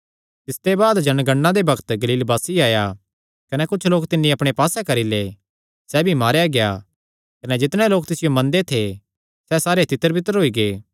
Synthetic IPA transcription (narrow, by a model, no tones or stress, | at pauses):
t̪ɪst̪ebaːd̪d͡ʒɐnɡɐɳːãd̪ebɐkʰt̪ɡɐliːlbaːsiaːja | kɐnɛkʊt͡ʃʰloːkt̪ɪnːĩɐpɽ̃epaːsɛkɐɾile | sɛbʱimaːɾjaɡeja̰ | kɐnɛd͡ʒɪt̪ɽ̃ɛloːk̚t̪ɪsɪjomɐ̃nd̪et̪ʰe | sɛsaːɾet̪ɪt̪ːəɾbɪt̪əɾɦoːiɡeː